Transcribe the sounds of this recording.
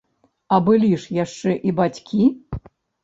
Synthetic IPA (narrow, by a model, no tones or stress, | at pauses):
ɐbɨlʲiʂjaʂt͡ʂɛʔibat͡sʲkʲi